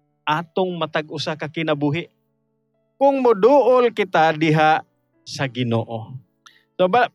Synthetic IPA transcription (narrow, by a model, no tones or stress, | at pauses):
ʔaːt̪ʊŋmɐt̪aɡʔʊsakɐkɪnɐbuːɦɪʔ | kʊŋmʊd̪uːʔʊlkɪt̪ad̪ɪɦaʔ | sɐɡɪno̰ːʔo | soba